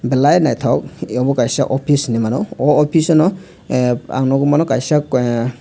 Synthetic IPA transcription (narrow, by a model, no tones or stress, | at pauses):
bɛlajnajtʰawk̚ɔbɔkajsaʔɔpʰisnimanɔɔɔpʰisɔnɔ | a̰wnɔɡɔmanɔkajsa